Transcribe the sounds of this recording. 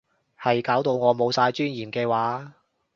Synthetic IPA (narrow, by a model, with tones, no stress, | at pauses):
hɐ˨jkaː˨˥wt̪o˧wŋɔː˨˧mo˨˧wsaː˧jt͡ʃyː˥njiː˨˩mkɛː˧waː˨˥